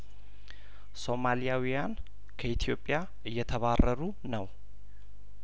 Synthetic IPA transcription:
so̞malijawijan | kʰəit̪ʰijo̞pʼːja | ʔɨjːɛt̪ʰəβarːəɾu | nəw

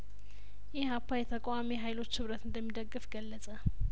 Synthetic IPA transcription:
jɪhhapːajɛt̪ʰəkʼamiɦajlo̞t͡ʃːhɨβɾət̪ɨnd̪əmːid̪əɡːɨfɡəlːəsʼə

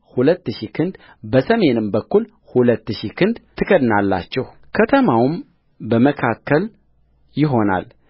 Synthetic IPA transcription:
hulət̪ːɨʃikʰɨnd̪ | bəsəme̞nɨmbəkːul | hulət̪ːɨʃikʰɨnd̪t̪ʰɨkʰəd̪nalːa̰t͡ʃːɛh | kʰət̪ʰəmawm | bəməkʰakːəl | jɪɦo̞na̰l

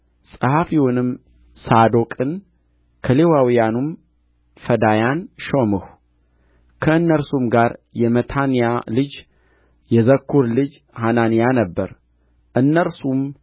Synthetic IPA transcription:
sʼɨhafiwʊnɨm | sad̪o̞kʼɨn | kʰəlewawijanum | fəd̪ajanʃomɨh | kʰəɨnːəɾsumɡaɾjɛmət̪ʰanijalɨd͡ʒ | jɛzəkʰːuɾlɨd͡ʒ | hananijanəbːəɾ | ʔɨnːəɾsum

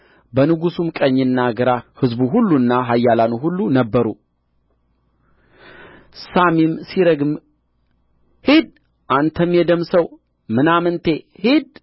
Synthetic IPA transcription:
bənɨɡusumkʼəɲːɨnːaɡəɾahɨzbuɦulːunːaɦajːalanuɦulːunəbːəɾu | samimsiɾəɡm | hid̪ | ʔant̪ʰəmjɛd̪əmsəw | mɨnamɨnt̪ʰe̞hid̪̚

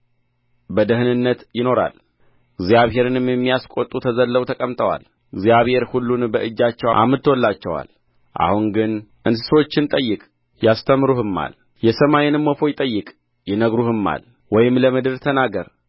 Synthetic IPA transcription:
bəd̪əɦɨnɨnːət̪jɪno̞ɾa̰l | ɨɡzijaβhe̞ɾɨnɨmjɛmːijaskʷʼo̞t̪ʼːut̪ʰəzəlːəβt̪ʰəkʼəmt̪ʼəwa̰l | ɡzijaβhe̞ɾhulːunbəʔɨd͡ʒːat͡ʃːɛwʔa̰mɨt̪ʰːwɔlːat͡ʃːɛwa̰l | ʔa̰huŋɡɨnʔɨnsɨ̥so̞t͡ʃːɪnt̪ʼəjːɨkʼ | jast̪ʰəmɾuhɨmːa̰l | jɛsəmajɛnɨmːofo̞jɪt̪ʼəjːɨkʼ | jɛnəɡɾuhɨmːa̰l | wɔjɪmləmɨd̪ɨɾt̪ʰənaɡəɾ

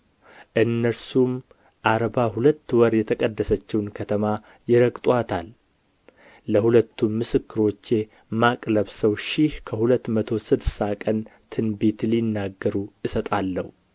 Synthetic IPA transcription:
ʔɨnːəɾsum | ʔaɾbahulət̪ːwəɾjɛt̪ʰəkʼəd̪ːəsət͡ʃːɛwnkʰət̪ʰəma | jɪɾəkʼt̪ʼwat̪ʰal | əhulət̪ʰːummɨsɨkːɨɾo̞t͡ʃːe̞ | makʼləβsəwʃihkʰəhulət̪ːmət̪ʰo̞sɨd̪sakʼənt̪ʰɨnbet̪linːaɡːəɾuʔɨsət̪ʼalːəhu

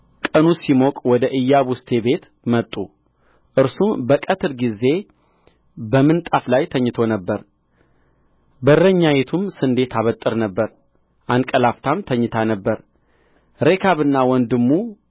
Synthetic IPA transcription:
kʼənusimokʼwɔd̪əʔɨjːaβust̪ʰe̞be̞t̪ | mət̪ʼːu | ʔɨɾsumbəkʼət̪ʰɨɾɡize̞ | bəmɨnt̪ʼaflajt̪ʰəɲːɨt̪ʰo̞nəbːəɾ | bərːəɲːajet̪ʰumsɨnd̪e̞t̪ʰaβət̪ʼːɨɾnəbːəɾ | ʔankʼəlaft̪ʰamt̪ʰəɲːɪt̪ʰanəbːəɾ | ɾe̞kʰaβɨnːawɔnd̪ɨmːu

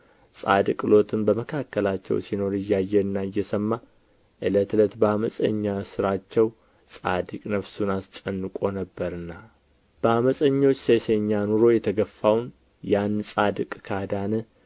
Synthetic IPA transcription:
sʼa̰d̪kʼɨlo̞t̪ʰɨmbəməkʰakːəlat͡ʃːɛ̰wsino̞ɾɨjːajːɛɨnːajːɛsəmːa | ʔɨlət̪ʰɨlət̪bəaməsʼə̰ɲːasɨɾat͡ʃːɛw | sʼa̰d̪ɨkʼnəfsunast͡ʃʼənːɨkʼo̞nəbːəɾɨnːa | b̥əaməsʼəɲːo̞t͡ʃːseseɲːanuɾo̞jɛt̪ʰəɡəfːawn | jansʼad̪ɨkʼkʰad̪anɨ

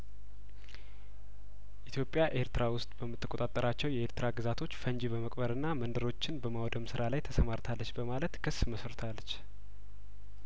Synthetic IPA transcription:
ʔit̪ʰjo̞pʼːjaʔe̞ɾt̪ɨɾawʊst̪ʼbəmːɨt̪ːɨkʼo̞t̪ʼat̪ʼːəɾat͡ʃːɛwjɛeɾt̪ɨɾaɡɨzat̪ʰo̞t͡ʃːfəɲd͡ʒibəməkʼbəɾɨnːamənd̪ɨɾo̞t͡ʃːɪnbəmawd̪əmsɨɾalajt̪ʰəsəmaɾt̪ʰalːət͡ʃːbəmalət̪kʰɨsːməsɾt̪ʰalːət͡ʃː

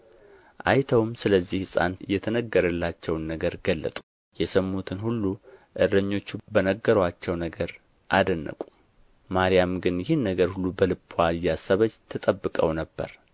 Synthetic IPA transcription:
ʔa̰jt̪ʰəwmsɨləzːihsʼa̰nɨjːɛt̪ʰənəɡːəɾəlːat͡ʃːɛwnːəɡəɾɡəlːə̰t̪ʼu̥ | jɛsəmːut̪ʰɨnhulːuʔɨɾɾəɲːo̞t͡ʃːubənəɡːəɾəwat͡ʃːɛwnəɡəɾ | ʔad̪ənːə̰kʼu̥ | maɾijamɡɨnjɪhinːəɡəɾhulːubəlɨpʰːwaɨjːasːəβəd͡ʒt̪ʰət̪ʼəbːɨkʼəwnəbːə̰ɾ

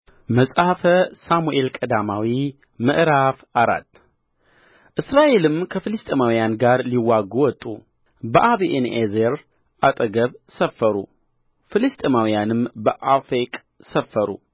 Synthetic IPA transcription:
məsʼahfəsamuʔelkʼəd̪amawi | mɨʔɾafʔaɾa̰t̪ | ʔɨsɾaʔe̞lɨmkʰəfɨlɨst̪ʼemawijanɡaɾliwaɡuwɔt̪ʼṵ | bəʔaβiʔenʔezeɾ | ʔat̪ʼəɡəβsəfːəɾṵ | fɨlɨst̪ʼemawijanɨmbəʔafekʼ | səfːəɾṵ

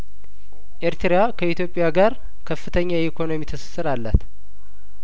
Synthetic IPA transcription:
ʔeɾt̪ɾjakʰəit̪jo̞pʼːɪjaɡaɾ | kʰəfːɨt̪ʰəɲːajikʰo̞no̞mit̪ʰɨsɨ̥sːɨɾalːət̪

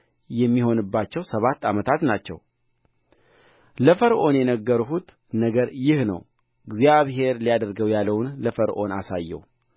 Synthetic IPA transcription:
jɛmːiho̞nɨbːat͡ʃːɛwsəβat̪ːamət̪ʰat̪nat͡ʃːɛ̰w | ləfəɾʔo̞njɛnəɡːəɾuɦut̪ | nəɡəɾjɪhnə̰w | ɨɡzijaβɦe̞ɾlijad̪əɾɡəwjalːəwnləfəɾʔo̞nasa̰jːɛ̰w

